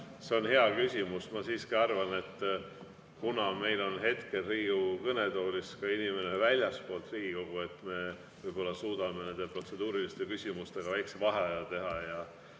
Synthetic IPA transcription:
se̞o̞nɦe̞ɑkysʲimusmɑsiːskiɑrvɑne̞t̪ːˑ | kunɑme̞jlo̞nɦe̞t̪ke̞lriːukɤne̞t̪o̞ːlʲiskɑinime̞ne̞vælʲjɑspo̞ːlt̪riːɡ̥iko̞ɡ̥ue̞t̪me̞ | vɤjb̥o̞lːɑsuːd̪̥ɑme̞ne̞nd̪e̞pro̞t̪se̞d̪uːɾilist̪e̞kysʲimust̪e̞ɡ̥ɑvæjksevɑɦeɑjɑt̪e̞ɦɑjɑ

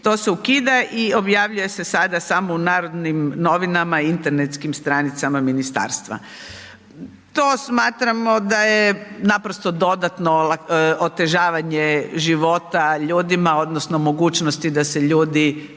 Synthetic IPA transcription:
t̪oseukid̪aʔio̞bjaʋʎuje̞sesad̪asamounaːɾo̞d̪nimno̞ʋinamaint̪e̞ɾnet̪skimst̪ɾanit̪samaminist̪a̰ːɾst̪ʋa̰ | t̪oːsmaːt̪ɾamo̞d̪ajenapɾost̪o̞d̪o̞d̪at̪nolaot̪e̞ʒaːʋaɲeʒiʋo̞ːt̪aʎuːd̪imao̞d̪nosno̞mo̞ɡuːt͡ʃnost̪id̪ase̞ʎuːd̪i

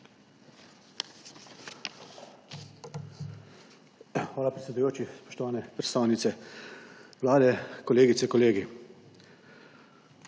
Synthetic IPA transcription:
xʋaːlapɾɛsʲɛd̪ujoːt͡ʃispɔ̥ʃt̪ɔʋaːnɛpɾɛt̪st̪aːwnit̪sɛ | ʋlaːd̪ɛkɔleːɡit̪sɛkɔleːɡi

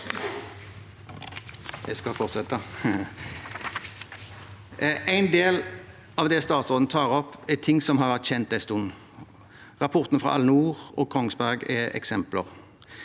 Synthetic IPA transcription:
jɛskɑfɔʁt̪sɛt̪ɑ | ʔæɪnd̪eːl | ɑʋd̪ɛst̪ɑːt̪sɔd̪nət̪ʰɑːʁɔpːɛt̪ʰɪŋsɔmhɑʁʋæʁt̪çɛnt̪̚æɪst̪un | ʁɑpʰɔʁt̪nəfʁɑ̰ʔɑ̰lːənuːʁɔ̰ːkʰɔŋsbæʁɡɛɛ̰ksɛmpləʁ

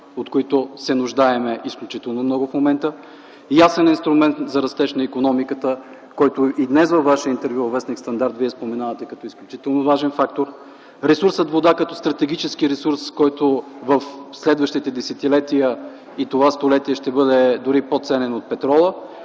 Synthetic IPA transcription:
ot̪koit̪ʊsɛnʊʒd̪aɛmɛʔisklʲut͡ʃit̪ɛlˠnomnɔɡʊfmomɛnt̪ə | jasɛninst̪ɾʊmɛnt̪zɐɾɐst̪ɛʃnəikonɔmikət̪ə | kɔjt̪ʊid̪nɛsvəvːaʃijəint̪ɛɾvjuvɐvɛsnikst̪ɐnd̪aɾt̪viɛspomɛnavət̪ɛkɐt̪ɔisklʲut͡ʃit̪ɛlˠnovaʒɛnfak̚t̪oɾ | ɾɛsuɾsət̪vod̪akɐt̪ɔst̪ɾɐt̪ɛɡ̟ʲit͡ʃɛsk̟iɾɛsuɾskɔjt̪ʊvəfslɛd̪vəʃt̪it̪ɛd̪ɛsɛt̪ilɛt̪ijə | it̪ovast̪olɛt̪iɛʃt̪ɛbɤd̪ɛd̪ʊɾipot̪sɛnɛnot̪̚pɛt̪ɾɔlˠə

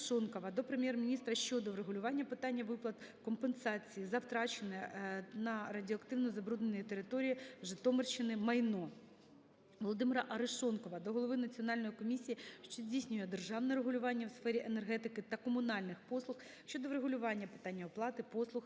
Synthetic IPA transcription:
ʃɔnkɔʋɐd̪ɔpɾemʲjɛrmʲinʲist̪ɾɐʃt͡ʃɔd̪ɔʋɾeɦʊlʲʊʋɑnʲːɐpɪt̪ɑnʲːɐʋɪplˠɐt̪kɔmpensɑt͡sʲijizɐwt̪ɾɑt͡ʃenɛnɐrɐdʲɔɐkt̪ɪwnɔzɐbɾud̪nenʲjit̪eɾɪt̪ɔɾʲijiʒɪt̪ɔmert͡ʃɪnɪmɐjnɔ | ʋɔlˠɔd̪ɪmɪɾɐʔɐɾɪʃɔnkɔʋɐd̪ɔɦɔlˠɔʋɪnɐt͡sʲiɔnɑlʲnɔjikɔmʲisʲijiʃt͡ʃɔzʲdʲijsʲnʲʊjɛd̪erʒɑwnɛɾeɦʊlʲʊʋɑnʲːɐwsfɛɾʲiʔenerɦɛt̪ɪkɪt̪ɐkɔmʊnɑlʲnɪxpɔslˠʊx | ʃt͡ʃɔd̪ɔʋɾeɦʊlʲʊʋɑnʲːɐpɪ̥t̪ɑnʲːɐɔplˠɑt̪ɪpɔslˠʊx

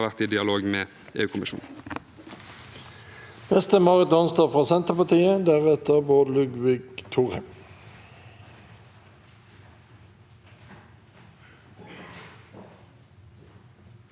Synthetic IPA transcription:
ʋæʁt̪iːd̪ɪɑloːɡmeː | ḛːʉːkʰʊmɪʃṵːn̩ | nɛst̪əmɑʁɪt̪ɔnst̪ɑːfʁɑːsɛnt̪əʁpɑt̪ʰiːəd̪æːʁɛt̪əʁboːd̪lʉɡʋiːɡt̪ʰuːʁhɛm

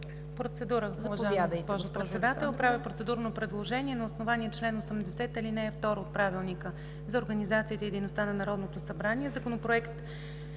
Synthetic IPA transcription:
pɾot̪sɛd̪uɾəɡzaaɡ̪spɔʒopɾɛsɛd̪at̪ɛlˠpɾavipɾot̪sɛd̪uɾnopɾɛd̪lˠoʒɛniɛnɐosnovaniɛt͡ʃlɛnosəmd̪ɛsɛt̪ilinɛːft̪ɔɾoːt̪̚pɾavilˠnikə | zɐoɾɡənizat̪siːt̪ɛid̪ɛjnost̪anɐnɐɾɔd̪not̪osɐbɾaniɛzɐkonopɾoɛkt̪

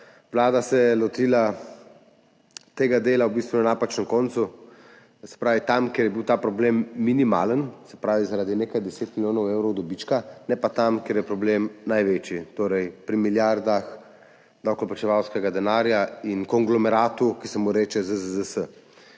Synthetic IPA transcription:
ʋlaːd̪asɛjɛlɔt̪ila | t̪eːɡad̪eːlawbist̪ʋunanapat͡ʃnɛmkɔnt̪su | sɛ̥pɾaːʋit̪amkeɾjɛbiwt̪aːpɾɔblemːinima̰ːlənsɛpɾaːʋizaɾad̪inekajd̪ɛseːt̪miljoːnɔweːwɾɔwd̪ɔbit͡ʃkanɛpat̪amkeɾjɛpɾɔblemnajʋet͡ʃit̪oːɾɛjpɾimiljaɾd̪ax | d̪awklɔpat͡ʃɛʋawskɛɡad̪ɛnaːɾjainkɔŋɡlɔmɛɾaːt̪ukisɛmuɾeːt͡ʃɛzəzzəsə

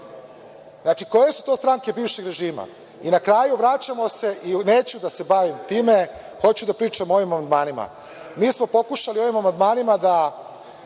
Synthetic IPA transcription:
znaːt͡ʃiko̞je̞su̥t̪o̞st̪ɾaŋke̞biːʋʃe̞ɡɾe̞ʒiːma̰ | inakɾaːjuʋɾat͡ɕamo̞se̞ʔineːt͡ɕud̪ase̞baʋimt̪iːme̞ | xo̞t͡ɕud̪apɾiːt͡ʂamoo̞ʋimamand̪maːnima̰ | miːsmo̞po̞kuʃalio̞ʋimamand̪maːnimad̪a

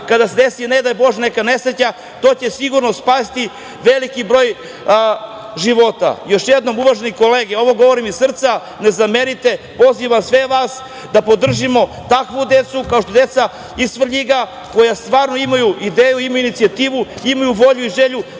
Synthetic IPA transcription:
kad̪ase̞d̪esined̪abo̞ʒnekane̞sɾet͡ɕa | t̪oːt͡ɕe̞siɡuɾnospasit̪i | ʋelikibɾo̞ːj | ʒiʋo̞t̪a̰jo̞ʃjed̪no̞muʋaʒeniko̞leːɡeo̞ʋo̞ɡo̞ʋoɾimisr̩t̪sa | ne̞zameɾit̪e̞po̞ziʋasʋeʋaːs | d̪apo̞d̪r̩ʒimo̞ | t̪akʋud̪e̞t̪sukao̞ʂt̪od̪e̞t̪sa | ist̪vr̩ʎiɡa | ko̞jast̪ʋaːɾno̞imajuid̪eːjuimajuinit̪sijat̪iːʋuimajuʋo̞ʎuiʒeʎu

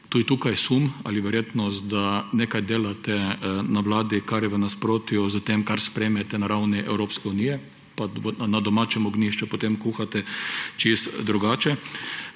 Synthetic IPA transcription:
t̪uːd̪it̪uːkajsuma̰lɪʋɛɾjeːt̪nɔst̪d̪aneːkajd̪eːlat̪ɛnaʋlaːd̪ikaɾjɛʋənaspɾoːt̪jʊzət̪emkaɾspɾɛːmɛt̪ɛnaɾawniʔɛ̰wɾoːpskɛunijɛ | panad̪ɔmaːt͡ʃɛmɔɡniʃt͡ʃupɔt̪emkuːxat̪ɛt͡ʃist̪d̪ɾuɡaːt͡ʃɛ

